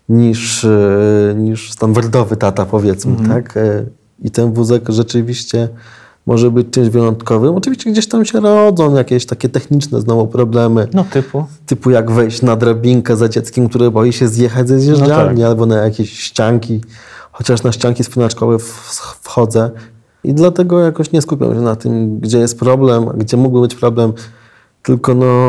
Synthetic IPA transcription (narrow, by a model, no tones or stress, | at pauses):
ɲiʂ | ɲiʂst̪and̪aɾd̪ɔvɘt̪at̪apɔvʲjɛt̪smɘt̪ʰak | it̪ɛnvuzɛkʐɛt͡ʂɘvʲiɕt͡ɕɛ | mʔɔʐɛbɘt͡ɕt͡ʂɘmʑvjɛɾɔnt̪kɔvɘmɔt͡ʂɨvʲiɕt͡ɕɛɡd͡ʑeɕt̪amɕɛɾɔd̪zɔ̃w̃jakʲeɕt̪akʲɛt̪ɛxɲit͡ʂnɛ̰znɔvupɾɔblɛmɘnt̪ɘput̪ɘpujaɡvɛjɕt͡ɕnad̪ɾabʲiŋkɛzad͡ʑɛt̪skʲɛmkt̪uɾɛbɔjiɕɛzʲjɛxad͡ʑʲzɛzjɛʐd͡ʑalɲialbɔnajakʲeɕɕt͡ɕaŋkʲi | xɔt͡ɕaʂnaɕt͡ɕaŋkʲispunat͡ʂkɔvɛfsfxɔd̪zɛ | ḭd̪lat̪ɛɡɔjakɔɕɲɛskupʲa̰wɕɛnat̪ɘ̰mɡd͡ʑɛjɛst̪̚pɾɔblɛma̰ɡd͡ʑɛmuɡ̚bɘbɘt͡ɕpɾɔblɛm | t̪ɘlkɔnɔ